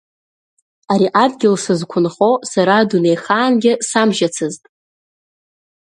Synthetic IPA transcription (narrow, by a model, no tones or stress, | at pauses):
aɾiʔadɡʲɪlsɨzkʷʰʊnχosaɾadune̞jχaːnɡʲɪsamʒat͡sʰɨztʼ